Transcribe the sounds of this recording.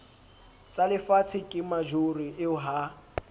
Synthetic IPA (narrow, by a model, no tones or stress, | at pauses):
t͡sʼalɪfat͡sʰɪkʼɪmad͡ʒoriʔɪʊɦa